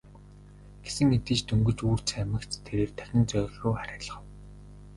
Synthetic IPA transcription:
ɡ̥esɘ̆ŋit̪ĭːt͡ɕt̪ʰɵŋɡɵ̆t͡ɕuːr̥t͡ɕʰæmə̆kt͡ɕt̪ʰːeɾeːrt̪ʰæ̥xʲɪ̆nt͡sœːɮʲːuːχaɾʲăːɮə̆χə̆w

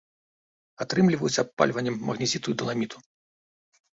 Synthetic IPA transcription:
at̪ɾɨmlʲivɐjusʲɐpːa̰lʲvɐnʲːɛmːɐɣnʲizʲit̪ujud̪ɐlˠamʲit̪ʰu̥

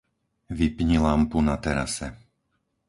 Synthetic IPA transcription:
ʋipɲilampunat̪ɛɾa̰sɛ

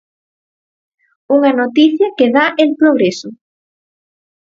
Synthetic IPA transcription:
uŋɐnot̪iθjɐkeðaʔelpɾoɣɾesʊ

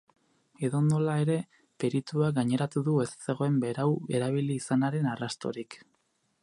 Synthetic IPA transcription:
eðo̞nd̪o̞lae̞ɾe̞ | pe̞ɾit̪uaɡaɲe̞ɾat̪uðue̞st͡se̞ɣo̞e̞mbe̞ɾawe̞ɾaβ̞iliːsanaɾe̞narast̪o̞̰ɾik

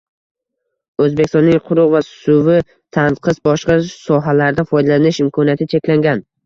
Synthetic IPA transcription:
ɵzbekʲɪst̪ɔnːɪŋqʰʊɾʊʁvasʊvɪ | t̪ʰanqʰɨsbɒʃqɑsɒɦalaɾd̪afɒjd̪alanɪʃɪmkʰɒnijat̪ʰɪt͡ʃʰe̞kʲlaŋɡʲan

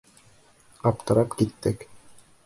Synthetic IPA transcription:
ɑpt̪ɤ̆ɾɑpkit̪ːɘk

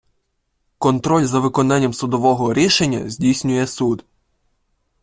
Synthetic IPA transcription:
kɔnt̪ɾɔlʲzɐʋɪkɔnɑnʲːɐmsʊd̪ɔʋɔɦɔɾʲiʃenʲːɐ̰zʲdʲijsʲnʲʊjɛsud̪

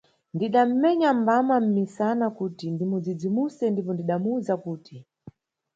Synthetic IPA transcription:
ndiɗam̩mɛɲambamam̩misanakutindimud͡zid͡zimusɛndipɔndiɗamuzakuːtʰi

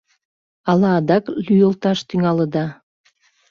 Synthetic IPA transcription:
ɑlɑːd̪ɑklyjə̆lt̪ɑʃt̪yŋɑlə̆d̪ɑ

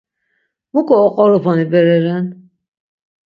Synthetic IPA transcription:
mukʰʼɔːqʼɔɾɔpʰɔnibɛɾɛɾɛn

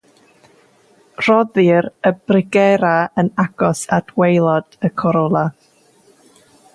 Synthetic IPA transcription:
r̥ɔðɨɾəb̥rɪɡɛɾaənaɡ̥ɔsad̥wejlˠɔd̥əkʰɔɾɔlˠa

